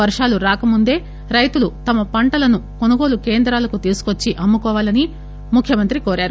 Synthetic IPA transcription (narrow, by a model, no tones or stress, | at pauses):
ʋɐɾʂaːluɾaːkɐmund̪e̞ː | ɾɐjt̪ulut̪ɐmɐpɐɳʈɐlɐnuko̞nuɡo̞ːluke̞ːnd̪ɾaːlɐkut̪iːsu̥kot͡ʃːiʔɐmːukɔːʋaːlɐni | mukʰjɐmɐnt̪ɾikoːɾaːɾu